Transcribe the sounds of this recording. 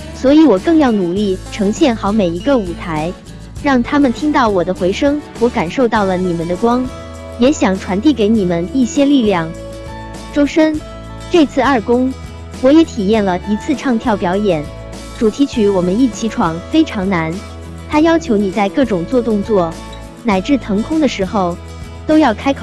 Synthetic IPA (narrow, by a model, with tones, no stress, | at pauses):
swɔ˧˥i˧˥wɔ˨˩kɤ˥˧ŋjɑ˥˩ʊnu˨˩li˥˩ʈ͡ʂʰɤ˧˥ŋɕjɛ˥˩nxɑ˧˥ʊme˨˩ɪi˧˥ɡə˧u˨˩t̪ʰa˧˥ɪ | ɻɑ˥˩ŋt̪ʰa˥mə˨nt̪ʰi˥ŋt̪ɑ˥˩ʊwɔ˨˩d̪ə˦xwe˧˥ɪʂɤ˥ŋwɔ˧˥ka˨˩nʂo˥˧ʊt̪ɑ˥˩ʊlə˩ni˨˩mə˨˦nd̪ə˦kwɑ˥ŋ | jɛ˧˥ɕjɑ˨˩ŋʈ͡ʂʰwa˧˥nt̪i˥˩ke˧˥ɪni˨˩mə˦ni˥˩ɕjɛ˥li˥˧ljɑ˥˩ŋ | ʈ͡ʂo˥ʊʂə˥n | ʈ͡ʂɤ˥˧t͡sʰɹ̩˥˧ɐ˞˥˩kʊ˥ŋ | wɔ˧˥jɛ˧˥t̪ʰi˨˩jɛ˥˩nlə˩i˧˥t͡sʰɹ̩˥˧ʈ͡ʂʰɑ˥˧ŋt̪ʰjɑ˥˩ʊpjɑ˧˥ʊjɛ˨˩˦n | ʈ͡ʂu˨˩t̪ʰi˧˥t͡ɕʰy˧˥wɔ˨˩mə˦ni˥˩t͡ɕʰi˧˥ʈ͡ʂʰwɑ˨˩ŋfe˥ɪʈ͡ʂʰɑ˧˥ŋna˧˥n | t̪ʰa˥jɑ˥ʊt͡ɕʰjo˧˥ʊni˨˩t͡sa˥˧ɪkɤ˥˩ʈ͡ʂʊ˨˩ŋt͡swɔ˥˧t̪ʊ˥˧ŋt͡swɔ˥˩ | na˨˩ɪʈ͡ʂɻ̩˥˩t̪ʰɤ˧˥ŋkʰʊ˥ŋd̪ə˨ʂɻ̩˧˥xo˥˧ʊ | t̪o˥ʊjɑ˥˩ʊkʰa˥ɪkʰ